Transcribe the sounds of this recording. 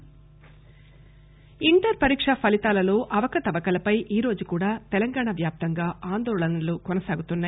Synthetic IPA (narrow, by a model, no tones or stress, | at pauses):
iɳʈɐɾpɐɾiːkʂɐpʰɐlit̪aːlɐlo̞ːʔɐʋɐkɐt̪ɐʋɐkɐlɐpɐjʔiːɾo̞ːd͡ʒukuːɽaːt̪ɛlɐŋɡaːɳaʋjaːp̚t̪ɐŋɡaːaːnd̪ɔːɭɐnɐlukɔnɐsaːɡut̪unːaːj